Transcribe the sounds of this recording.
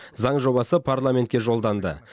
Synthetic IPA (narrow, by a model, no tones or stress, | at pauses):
zɑɴʒo̞βɑsəpʰaɾlˠamʲe̞nt̪̚kʲeʒo̞lˠd̪ɑnd̪ə̰